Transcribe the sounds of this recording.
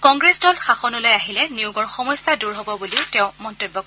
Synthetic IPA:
kɔŋɡɹesdɔlxaxɔnɔlɔjaɦilɛniʊɡɔɹxɔmɔjsːaduɹɦɔbɔbuliʊtɛʊ̃mɔntojbːɔkɔ

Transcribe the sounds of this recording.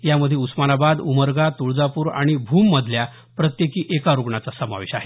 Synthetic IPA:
jaməd̪ʱːjeusmanabad̪uməɾɡat̪uɭd͡zapuːɾa̰ɽ̃ibʱumːəd̪ʱlja | pɾət̪jekiːʔekaɾuɡɳat͡sasəma̰ʋeɕaɦe

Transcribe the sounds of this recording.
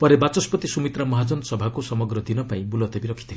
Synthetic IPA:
pɔɾebat͡ʃɔspɔt̪isumit̪ɾamɔɦad͡ʒɔnɔsɔbʱakusɔmɔɡɾɔd̪inɔpaĩbulɔt̪ebiɾɔkʰit̪ʰil

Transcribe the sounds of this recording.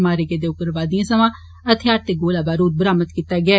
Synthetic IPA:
maːɾeɡed̪eːʊkəɾʋaːd̪ijãːsəmãː | ət̪ʰɪjaːɾt̪eːɡoːlaːbaːɾuːt̪̚bəɾaːmət̪kit̪aːɡɪaː

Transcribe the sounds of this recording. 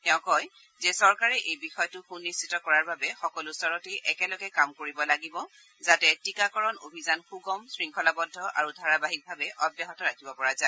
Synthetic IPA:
tɛʊ̃kɔj | zesɔɹkaɹɛʔejbixɔjɔtʊxunːisitɔkɔɹaɹbabɛxɔkɔlʊsɔɹɔteʔɛkɛlɔɡɛkamkoɹibɔlaɡibɔ | zatɛtikakɔɹɔnobʱizanxuɡɔmsɹiŋkʰɔlabɔdʱːɔʔa̰ɹudʱaɹabaɦik̚bʱabɛʔɔbjaɦɔtɔɹakʰibɔpɔɹaza

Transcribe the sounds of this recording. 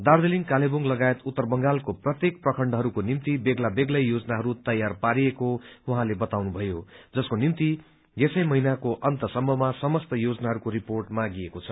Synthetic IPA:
d̪ard̪eliŋkaleboŋɡlʌɡaet̪ut̪ːʌrbʌŋɡalkoprʌt̪jek̚prʌkʰʌɳɖʌɦʌɾukonimt̪ibeɡlabeɡlʌjjod͡zʌnaɦʌɾut̪ʌjarpaɾiekowʌɦãlebʌt̪awnubʱʌjod͡zʌskonimt̪i | jesʌjmʌɦinakoʔʌnt̪ʌsʌmbʌmasʌmʌst̪ʌjod͡znaɦʌɾukoɾiporʈmaɡiekot͡sʰʌ

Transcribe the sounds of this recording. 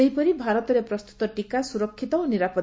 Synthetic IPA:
eɦipɔɾibʱaɾɔt̪ɔɾepɾɔst̪u̥t̪ɔʈikasuɾɔkʰːit̪ɔoniɾapɔ

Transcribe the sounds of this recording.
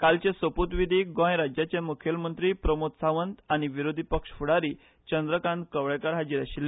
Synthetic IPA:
kalt͡ɕẽsəput̪ʋid̪ʱiɡɔ̃jɾad͡ʑjat͡ɕemukʰjəlmənt̪ɾipɾəmot̪saʋənt̪aɽ̃iʋiɾod̪ʱipəkʂfuɽaɾi | t͡ɕənd̪ɾəkãnkəʋɭekaɾɦad͡ʑiɾaɕilːe

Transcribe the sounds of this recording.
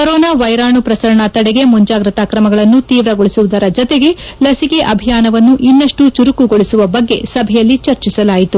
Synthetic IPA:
kɐɾɔːnaːʋɐjɾaːɳupɾɐsɐɾɐɳɐt̪ɐɽɛɡe̞muɲd͡ʒaːɡɾɐt̪aːkɾɐmɐɡɐɭɐnːut̪iːʋɾɐɡoɭisuʋud̪ɐɾɐd͡ʒɔt̪eɡe̞lɐsike̞ʔɐbʱijaːnɐʋɐnːuʔinːɐʂʈut͡ʃuɾukuɡo̞ɭisuʋɐbɐɡːe̞̰sɐbʱɛjɐlːit͡ʃɐɾt͡ʃisɐlaːjit̪u

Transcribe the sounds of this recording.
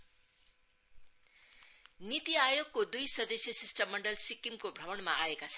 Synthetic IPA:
nit̪iajoɡ̚kod̪ujsʌd̪ʌsjʌsisʈʌmːʌɳɖʌlsikimkobʱɾʌwʌɳmaʔaekat͡sʰʌ̥

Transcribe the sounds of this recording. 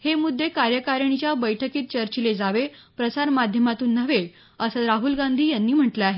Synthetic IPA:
hemud̪ʱːekaɾjəkaɾəɳ̃it͡ɕjabəjʈʰəkiːt̪̚t͡ɕəɾt͡ɕiled͡zaʋe | pɾəsaɾmad̪ʱjəmat̪uːnːəʋe | əsəɾaɦulɡand̪ʱiːjanːiːm̤əʈleaɦe

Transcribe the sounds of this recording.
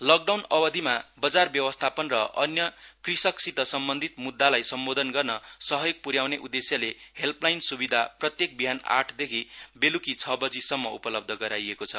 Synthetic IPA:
lʌk̚ɖawnʌwʌd̪ʱimabʌd͡zarbjʌwʌst̪ʰapʌnrʌʔʌnjʌkrisʌksit̪ʌsʌmbʌnd̪ʱit̪mud̪ːalajsʌmbod̪ʱʌnɡʌrnʌsʌɦʌjok̚puɾjawneʔud̪esjalehelplajnsubid̪ʱaprʌt̪jek̚biɦana̰ʈʰd̪ekʰibelukit͡sʰʌbʌd͡zisʌmːʌupʌlʌb̚d̪ʱʌɡʌɾajekot͡sʰʌ

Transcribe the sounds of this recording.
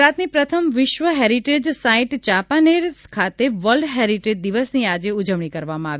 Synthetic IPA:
ɾat̪nipɾət̪ʰəmʋɪʃʋəɦeɾiʈed͡ʒsaiʈt͡ʃapaneɾkʰat̪eʋəlɖɦeɾiʈed͡ʒd̪iʋəsniad͡ʒeud͡ʒəʋɳ̃ikəɾʋamãaʋ

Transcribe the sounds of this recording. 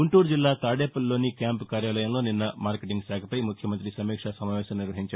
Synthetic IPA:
uɳʈuːɾd͡ʒilːaːt̪aːɽeːpɐlːo̞ːnikʲjaːmpkaːɾjaːlɐjɐmlo̞ːninːɐmaːɾkeʈiŋɡsaːkʰɐpɐjmukʰjɐmɐnt̪̬ɾisɐmiːkʂɐsɐmaːʋɛːsɐmniɾʋɐɦiɲt͡ʃɐ

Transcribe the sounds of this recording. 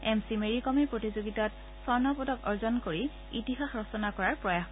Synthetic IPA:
ɛmsimeɹikɔmepɹotizoɡitat | sɔɹnɔpɔdɔkɔɹzɔnkoɹi | itixaxɹɔsɔnakɔɹaɹpɹɔjax

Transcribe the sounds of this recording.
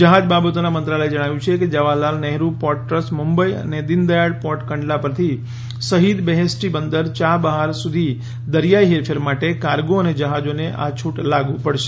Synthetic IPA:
d͡ʒəɦad͡ʒbabət̪onamənt̪ɾaləed͡ʒəɽ̃aʋjũt͡ʃʰeked͡ʒəʋalalnɛɦɾupɔʈʈɾəsmumbəiə̰ned̪ɪnd̪əjaɽpɔʈkəɳɖlapəɾt̪ʰi | səɦid̪bɛɦesʈibənd̪əɾt͡ʃabəɦaɾsud̪ʱi | d̪əɾjaiɦeɾpʰeɾmaʈekaɾɡoəned͡ʒəɦad͡ʒoneʔa̰t͡ʃʰuʈlaɡũpəɽʃe̥

